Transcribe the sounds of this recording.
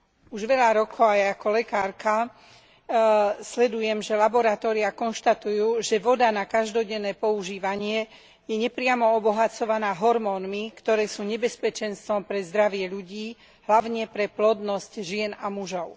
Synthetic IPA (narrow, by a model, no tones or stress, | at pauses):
uʒʋɛʎaɾɔkʰɔʊajaakɔlɛkaːɾka | slɛd̪ujɛmʒɛlabɔɾat̪ɔːɾiakɔnʃt̪at̪ujuːʒɛʋɔd̪anakaʒd̪ɔɟɛnːɛːpɔuʒiːʋaɲɪɛ | jɛɲɛpɾɪamɔɔbɔɦat͡sɔʋanaːɦɔɾmɔːnmikt̪ɔɾɛːsuːɲɛbɛspɛt͡ʃɛnst̪ʋɔmpɾɛzd̪ɾaʋɪɛʎuɟiː | ɦlaʋʊɲɛpɾɛplɔd̪nɔscʒɪɛnamuʒɔʊ